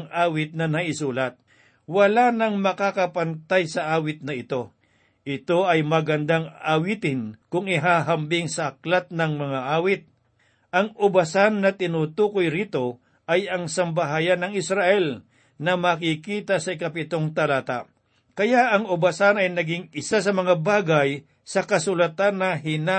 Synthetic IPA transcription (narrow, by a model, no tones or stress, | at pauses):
ŋʔaːwɪt̪̚nɐnɐʔɪsuːlɐt̪̚ | wɐlanɐŋmɐkakɐpɐnt̪ajsɐʔaːwɪt̪̚nɐɪt̪o̞ | ʔɪt̪o̞ʔɐjmɐɡɐnd̪aŋawit̪ɪnkʊŋɪɦaːɦɐmbɪŋsɐʔɐklat̪̚nɐŋmɐŋaʔaːwɪt̪̚ | ʔɐŋʔʊbɐsanːɐt̪ɪnuːt̪uːkojɾit̪o̞ | ʔɐjɐŋsɐmbɐɦaːjɐnːɐŋɪsɾaʔɛl | nɐmɐkikiːt̪ɐsɐɪkɐpɪt̪oŋt̪ɐlaːt̪a̰ | kɐjaʔɐŋʊbɐsanɐjnɐɡɪŋɪsas̬ɐmɐŋabaːɡɐj | sɐkɐsʊlɐt̪anːɐɦɪna